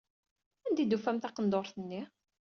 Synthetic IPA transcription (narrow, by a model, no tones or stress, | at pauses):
ænd̪id̪ufæmθɑqənd̪oɾˤθənːi